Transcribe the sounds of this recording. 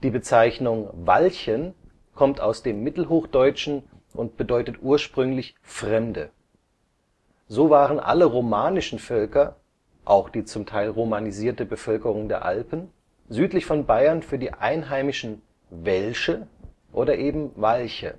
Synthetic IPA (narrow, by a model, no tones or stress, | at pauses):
d̥iːbət͡saɪçnʊŋva̰lçən | kʰɔmtʰaʊsd̥eːmːɪtl̩ɦoːxd̥ɔʏt͡ʃn̩ | ʔʊnt̚b̥ədɔʏtətʔuːɐʃpʁ̥ʏŋlɪç | fʁ̥ɛmdə̰ | zoːvaːʁənʔa̰ləʁomaːnɪʃn̩fœlkɐ | ʔaʊxd̥iːt͡sʊmtʰaɪlʁomaniziːɐtəbəfœlkəʁ̞ʊŋdeːɐʔa̰lpn̩ | zyːtlɪçfɔnbaɪɐnfyːɐdiːʔa̰ɪnɦaɪmɪʃn̩ | vɛlʃə | ʔoːdɐʔeːbm̩valçə̰